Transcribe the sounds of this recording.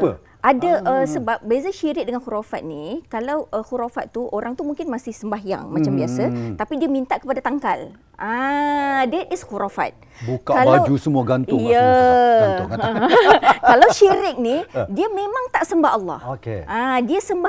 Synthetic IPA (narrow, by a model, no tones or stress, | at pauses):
ʔadaʔəsəbap̚bəazaʃiɾɪk̚dəŋanxuɾafat̪̚nikalawəxuɾafat̪̚ːuoɾaŋt̪umuŋkɪnmasɪhsəmbaɦja̰ŋmãt͡ʃambiasat̪apidiəmint̪aʔkə̥padat̪aŋkal | ã | dɛt̪ɪsxuɾafa̰t̪̚ | bukakalawd͡ʒusəmuaɡant̪ʊjja | kalawʃiɾɪk̚nidiamẽmãŋt̪aʔsəmbaɦɑlːɑ̰hokeãdiasəmba